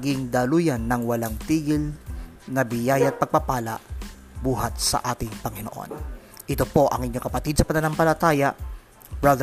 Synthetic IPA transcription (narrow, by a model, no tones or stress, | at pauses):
ɡɪŋd̪ɐluːjɐnːɐŋwɐlaŋt̪iːɡɪl | nɐbɪjajɐɐt̪̚pɐɡ̚pɐpaːlɐ̰ʔ | buːɦɐt̪̚sɐ̰ʔaːt̪ɪŋpɐŋɪnoʔo̞̰n | ʔɪt̪opo̞ʔɐŋʔɪɲːoŋkɐpɐt̪id̪̚sɐpɐnɐnampɐlɐt̪aːjɐʔ | bɹad̪